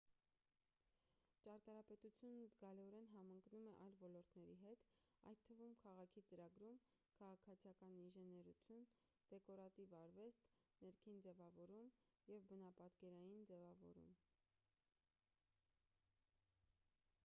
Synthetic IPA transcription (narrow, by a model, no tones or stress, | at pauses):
t͡ʃɑɾt̪ɑɾɑpɛt̪ut͡sʰjunəzɡɑlɛɔɾɛnɦɑmɑŋknumɛʔɑjlvɔlɔɾt̪nɛɾiɦɛt̪ɑ̰jt̪̚t̪ʰːəvumkʰɑʁɑkʰit͡səɾɑɡɾum | kʰɑʁɑkʰɑt͡sʰjɑkɑniʒɛnɛɾut͡sʰjun | d̪̥ɛkɔɾɑt̪ivɑɾvɛst̪nɛɾkʰind͡zɛvɑvɔɾumjɛvbənɑpɑt̪kɛɾɑjind͡zɛvɑvɔ̰ɾṵm